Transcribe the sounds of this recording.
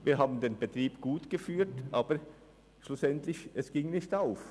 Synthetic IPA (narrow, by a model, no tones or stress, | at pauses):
viːɐɦaːbn̩d̪eːnbətʁiːbɡ̥uːtɡ̥əfyːtʔaːbə | ʃlʊsɛntlɪçʔɛsɡ̥ɪŋnɪçtaʊf